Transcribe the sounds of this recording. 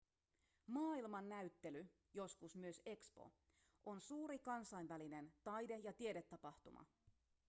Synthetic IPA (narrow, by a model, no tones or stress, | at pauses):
mɑːilmɑnːæyt̪ːe̞ly | jo̞skusmyøse̞kspo̞̰ | ʔo̞nsuːɾikɑnsɑjnʋæline̞nt̪ɑjde̞jɑt̪iedet̪ːɑpɑht̪umɑ̰